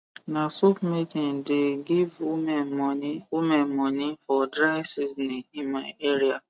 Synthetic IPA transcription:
nãsopmitĩndeɡivmniumɛ̃nmɔ̃nĩfɔdɾajsisnĩimãeɾia

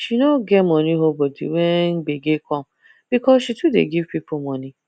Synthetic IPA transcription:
ʃinɔɡɛtmɔniɦobɔdḭwɛnbeɡekʰɔ̃m | b̥ikɔsʃitudḛɡivpipomɔ̃ni

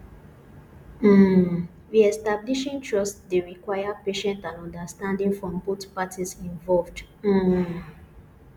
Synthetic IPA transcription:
m̩ | ðiɛstabliʃĩntɹɔsdeɹikwajapeʃɛ̃ntãnɔ̃ndastãndĩŋfɹɔ̃mbotpatisĩnvɔlvd̩

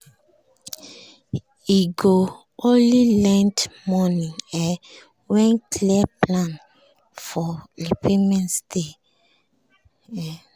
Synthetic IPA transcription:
iɡo | ʔolilɛ̃ntmɔnĩŋɛ | wɛ̃nkʰliaplãn | fɔlipemɛ̃ntstʰe

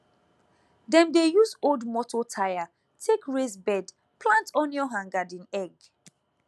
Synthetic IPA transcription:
dɛ̃mdejuzoldmɔtʰotʰaja | tʰekɹesbɛd | pʰlãntɔ̃njɔɦãŋɡadĩnɛɡ

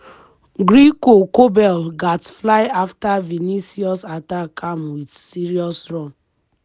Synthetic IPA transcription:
ɡɾikokobɛlɡatflaɪaftavinisiɔsatakamwidsiɾiɔsɾɔm̩

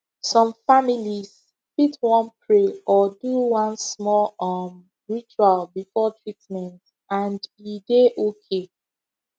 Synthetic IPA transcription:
sɔ̃mfamiliz | fitwɔ̃npʰɹeʔɔduwɔ̃nsmɔlɔm | ɹit͡ʃualbifɔtʰɹitmɛ̃nt | ãndideʔokʰe

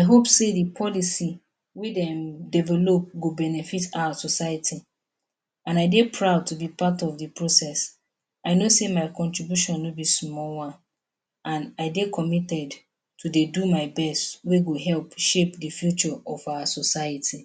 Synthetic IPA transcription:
aɪɦopsedipʰɔlisi | wedɛ̃mdɛvɛlop̚ɡobɛnɛfitʰawəsɔsaɪatʰi | ãnaɪdepʰɹaʊd̚tʰubipʰatɔvdipʰɹosɛs | aɪnosemaɪkʰɔ̃ntɹibjuʃɔ̃nːobismɔlwã | ʔãnaɪdekʰɔmitɛd | tʰudedumaɪbɛstweɡoɦɛlpʃepdifjut͡ʃɔʔɔfawəsɔsaɪatʰi

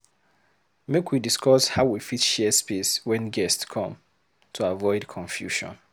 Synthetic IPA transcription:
mekʰwidiskʰɔshaʊwifitʃɛspeswɛ̃nɡɛstskʰɔ̃m | tʰuavɔɪdkʰɔ̃ɱfjṵʃɔ̰̃n

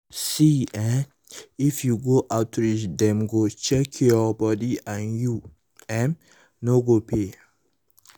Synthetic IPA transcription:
siɛn | ifjuɡoʔaʊtɹisdɛ̃mɡot͡ʃɛkʰɔbɔdiãnju | ɛ̃m | noɡopʰe

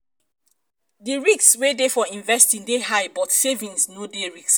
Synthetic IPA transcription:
diɹikswedefɔĩɱvɛstĩŋdehaɪbɔtsevĩnsnodeɹiks

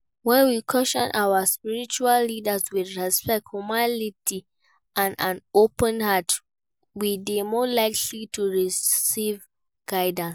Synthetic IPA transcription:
wɛ̃nwikʰɔʃɔ̰̃nʔawaspiɹit͡ʃualːidəswidɹɛspɛk̚thumalitʰi | ʔãnãnopə̃nhat | wibimɔlaɪkʰlitʰuɹisiv | ɡ̥aɪdə̃ns

